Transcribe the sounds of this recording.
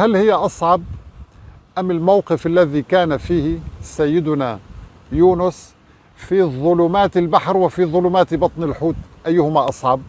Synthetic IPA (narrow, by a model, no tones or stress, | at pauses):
halhɪjːaʔɑsˤʕɑb̚ | ʔamːɪlmawqɪfʔalːaðikaːnafiːhsajːɪd̪ʊna | juːnʊs | fiðˤʊluːmaːt̪ɪlbaħɾwɪfiðˤʊluːmaːt̪bɑt̪ˤnɪlħuːt̪ʔajːʊhʊmaʔɑsˤʕɑb̚